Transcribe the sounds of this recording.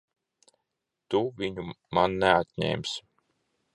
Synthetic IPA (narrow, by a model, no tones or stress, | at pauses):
t̪uviɲu | manːɛat̪ɲɛ̰ːms